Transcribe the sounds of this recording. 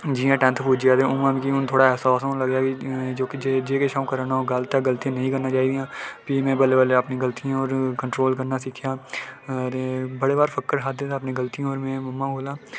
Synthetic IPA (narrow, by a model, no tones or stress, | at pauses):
d͡ʒiːãːʈɛ̃nt̪ʰpuːd͡ʒijaːd̪əɾʊmãmkiʊnt̪ʰoːɽaɛːsaːsõləɡjaːɡid͡ʒoːkid͡ʒeːd͡ʒeːkeʃaːũkəɾaːnaoːɡəlt̪ãɡəlt̪iãːnəĩːkəɾnaːt͡ʃaːiːd̪ijãːpʰimɛ̃ːbəlːeʋəleəpnĩɡəlt̪ijãɔːɾkə̃ɳʈɾoːlkəɾnasɪkʰjaː | ɾbəɽeːbaːɾfʰəkːəɾɦad̪ed̪əpnĩɡəlt̪ijõɔːɾmɛ̃ːməmːãɦoːlaː